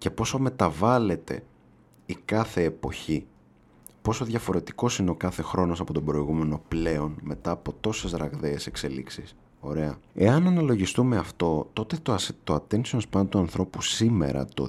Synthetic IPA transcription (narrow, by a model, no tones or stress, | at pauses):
ce̞po̞some̞t̪ɐvɐle̞t̪e̞̰ | ikɐθe̞ːpo̞̰çi | po̞so̞ðʝɐfo̞ɾe̞t̪i̥ko̞sineo̞kɐθe̞xɾo̞no̞sɐpo̞t̪obɾo̞iɣume̞no̞ple̞o̞nme̞t̪ɐːpo̞t̪o̞sezɾɐɣðeːse̞kse̞lḭksis | o̞ɾe̞ɐe̞ɐnɐnɐlo̞ʝist̪ume̞ɐft̪o̞t̪o̞t̪et̪ot̪oɐt̪ensionspɐnd̪t̪uɐnθɾo̞pusime̞̰ɾɐ̰t̪o̰